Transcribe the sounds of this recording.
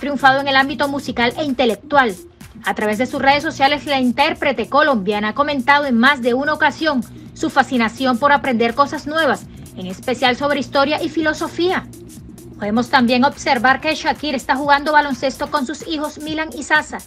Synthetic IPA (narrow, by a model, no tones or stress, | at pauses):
t̪ɾjuɱfað̞oe̞ŋe̞lambit̪o̞musikalʔe̞int̪e̞le̞k̚t̪wal | at̪ɾaβe̞zðe̞susre̞ðes̬ːo̞sjale̞slaint̪e̞ɾpɾe̞t̪e̞ko̞lo̞mbjanaako̞mẽ̞nt̪að̞o̞e̞ŋmazðe̞unaokasjo̞ŋ | sufasinasjo̞mpo̞ɾapɾe̞nd̪e̞ɾko̞sasnwe̞β̞as | e̞ŋe̞spe̞sjalso̞β̞ɾe̞ist̪o̞ɾjaʔifilo̞so̞fia | po̞ðe̞mo̞st̪ambje̞ŋo̞bse̞ɾβaɾke̞ʃakiɾe̞st̪axuɣand̪o̞βalo̞nse̞st̪o̞ko̞nsusixo̞smilaŋisasa